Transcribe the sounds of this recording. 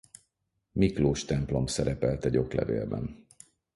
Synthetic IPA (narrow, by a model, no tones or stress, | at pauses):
mikloːʃt̪ɛmplo̞msɛɾɛpɛlt̪ɛɟo̞klɛ̰vḛːlbɛn